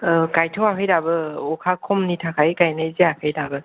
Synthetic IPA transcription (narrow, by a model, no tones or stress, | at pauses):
ɯkajtʰɯwakʰɯjdabɯɔkʰakʰɔmnitʰakʰajkajnɯjziakʰɯjdabɯ